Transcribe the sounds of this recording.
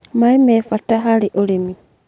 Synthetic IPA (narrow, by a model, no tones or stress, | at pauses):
maimefataxaliʔolimi